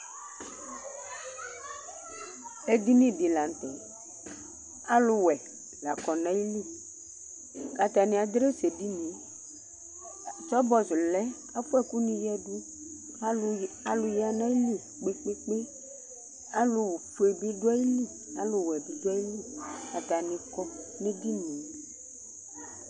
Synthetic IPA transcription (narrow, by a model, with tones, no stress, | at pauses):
e˦d̪i˦nĩ˦˨bi˨la˨n˨t̪ɛ̰˨ | a˦lʊ˨wɛ˨ | la̰˨kɔ˨nã˦ji˦li˦˨ | ka˨t̪a˨nĩ˨a˨d̪ɾe˦se˨di˦nĩ˨˦ | t͡ʃɔ˦bɔ˦zu˨lɛ˦ | a˦fu˦ɛ˦ku˦nĩ˨jɛ˦du˦ | a˦a˨lʊ˨ja˨nã˦ji˦li˦ | k͡pe˦k͡pe˦k͡pe˦ | a˦lʊ˨wɸe˨bi˦dʊ˦a˦ji˦li˦ | a̰˨lʊ˨wɛ˨bi˨du˦a˦ji˦li˦˨ka˨t̪a˨nĩ˨kɔ˦ | nẽ˦di˦nĩ˨